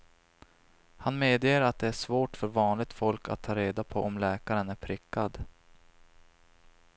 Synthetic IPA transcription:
hanmeːd̪jeːɾat̪̚d̪ɛæʂvoːʈfœɾvɑːnlɪɡ̚t̪fɔlka̰t̪ʰːɑːɾeːd̪apʰɔʔɔmlɛːkaɾənæɾpʰɾɪkʰːad̪

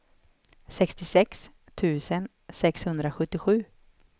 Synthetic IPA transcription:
sɛkst̪ɪsɛks | t̪ʰʉ̟ːsən | sɛkshɵnd̪ɾaɧɵt̪ːɪɧʉ̟ː

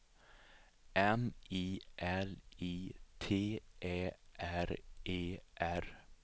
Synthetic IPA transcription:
ʔɛnʔiːʔɛliːt̪ʰeːʔeːʔæɾʔeːʔæɾ

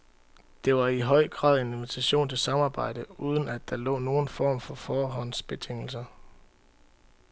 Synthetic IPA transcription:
d̥e̝ʋɑ̈iɦɒ̽ɪ̰ɡ̥ʁɑ̰̈ːð̞̰ˠe̝nenʋit͡sʰæɕo̝̰ːnt͡sʰe̝lsɑ̈mɑ̈ːb̥ɑ̈ɪ̰d̥əuːð̞ˠən̩æd̥ːɑ̈lɔ̰̽ːno̝ːn̩fɒ̰ːmfɒ̽fɒːɦɒ̽n̰sb̥e̝t͡sʰeŋ̰l̩sɐ

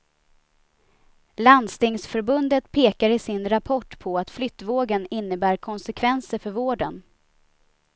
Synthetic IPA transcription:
land̪st̪ɪŋsfœɾbɵnd̪ət̪pʰeːkaɾɪsɪnɾapʰɔʈːpʰɔat̪flʏt̪ːvoːɡənɪnːəbæːɾkʰɔnsɛkʰvɛnsəɾfœɾvoːɖən

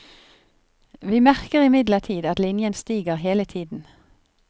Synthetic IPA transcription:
ʋiːmæʁkəʁɪmɪd̪ləʁt̪ʰiːd̪ɑt̪lɪnjənst̪iːɡəʁheːlət̪ʰiːd̪n̩

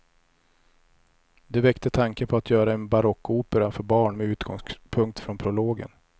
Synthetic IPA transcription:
d̪ɛvɛkt̪ət̪ʰaŋkəpʰɔat̪ʰjœːɾaɛnbaɾɔkːʊuːpəɾafœɾbɑːɳmɛʉ̟ːt̪ɡ̥ɔ̰ŋspʰɵŋk̚t̪fɾɔnpʰɾʊloːɡə̰n

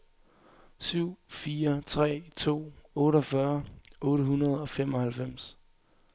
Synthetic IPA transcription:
syʊ̰fiːɐt͡sʰʁɛ̰ːt͡sʰo̝̰ːɔ̽ːɾɒ̽fɶɐɔ̽ːɾəɦunɐð̞̩ˠɒ̽femɒ̽hælfem̰s

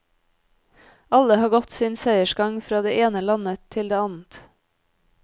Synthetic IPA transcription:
ɑləhɑːɡɔt̪siːnsæɪəʃɡɑŋfɾɑːd̪eːʔeːnəlɑnət̪ʰɪld̪eːɑnn̩t̪

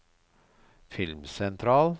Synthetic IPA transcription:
fɪlmsɛnt̪ʰɾɑːl

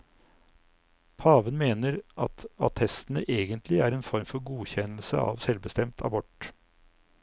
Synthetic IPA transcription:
pʰɑːʋənmeːnəɾʔɑt̪ɑt̪ʰɛst̪n̩əʔeːɡənt̪ʰlɪæːɾeːnfɔɾmfɔɾɡuːçɛnl̩səɑ̰ːʋsɛlʋbəst̪ɛmt̪ʰɑ̰bɔʈ

